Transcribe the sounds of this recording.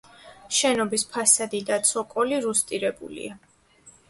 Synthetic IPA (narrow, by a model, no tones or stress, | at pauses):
ʃɛnɔbispʰasad̪id̪at̪sʰɔkʼɔliɾust̪ʼiɾɛbṵlḭa